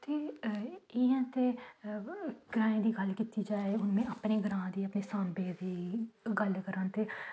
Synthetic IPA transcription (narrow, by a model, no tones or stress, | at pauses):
t̪eː | ɪãːt̪eː | ɡ̥ɾaːẽːd̪iːɡəlkit̪iːd͡ʒaːeːʊnmẽːaːpneːɡɾãːd̪iːəpneːsaːnbeːd̪iːɡəlkəɾãːnt̪eː